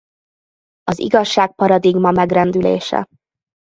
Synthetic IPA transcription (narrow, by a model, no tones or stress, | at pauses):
ɒzḭɡɒʃːaːk̚pɒɾɒd̪iɡmɒmɛɡrɛnd̪ylḛːʃɛ̰